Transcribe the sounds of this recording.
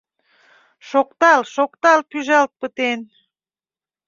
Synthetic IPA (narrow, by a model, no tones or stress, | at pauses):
ʃokt̪ɑlʃokt̪ɑlpyʒɑlt̪̚pət̪en